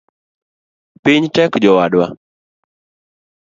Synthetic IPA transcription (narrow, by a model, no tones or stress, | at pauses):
pɪɲtɛkd͡ʒɔwaɗwa